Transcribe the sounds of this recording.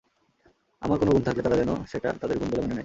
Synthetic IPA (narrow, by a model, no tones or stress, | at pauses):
a̰maɾkonoɡunt̪ʰaklet̪aɾad͡ʑɛno̰ʃeʈa̰t̪ad̪eɾɡunbolemonenaj